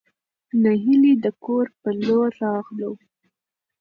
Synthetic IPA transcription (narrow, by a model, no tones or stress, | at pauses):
naɦilid̪əkoɾpəloɾɑɣlow